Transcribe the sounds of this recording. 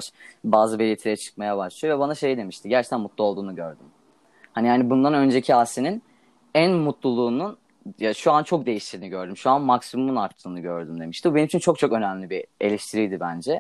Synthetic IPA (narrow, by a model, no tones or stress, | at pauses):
baːzɯbelʲit̪ʰiɾjɛt͡ʃʰɯ̥k̚majabaʃlˠɯjovɛbanaʃe̞jd̪e̞miʃt̪ʰiɟæɾt͡ʃʰe̥kt̪ʰænmut̪lˠuolˠd̪uːnuɟøɾd̪ym | hanihaːnibund̪anø̞nd͡ʒecʰiaːsinin | ænmut̪lˠulˠuːnun | jaʃuant͡ʃʰo̞k̚d̪e̞jiʃt̪ʰiɾdiniɟø̞ɾd̪ymʃuanmaksimumunaɾt̪ʰːɯːnɯɟøɾd̪ymd̪e̞miʃt̪ibube̞nimt͡ʃʰint͡ʃʰo̞k̚t͡ʃʰo̞kø̞næmlʲibie̞̰lʲeʃt̪ʰiɾijd̪ibænd͡ʒɛ